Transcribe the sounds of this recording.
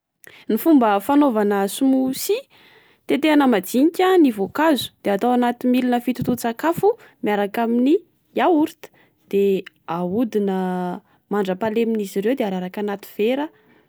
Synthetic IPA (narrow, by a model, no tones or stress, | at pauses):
nifumbəfanovanəsumusi | t̪et̪eanəmad͡ziɲikʲanivokazu̥d̪̥eat̪awanat̪imilinəfit̪ut̪ut͡sakafu | miaɾakamini | jauɾit̪ə̥ | d̪̥e | aud̪inə | maɳɖ͡ʐəpaleminiziɾewd̪eaɾaɾakanat̪i̥v̥eɾə